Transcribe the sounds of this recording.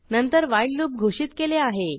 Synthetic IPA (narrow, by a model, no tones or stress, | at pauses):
nənt̪əɾʋajiɖluːp̚ɡʱoʂiːt̪keleaɦe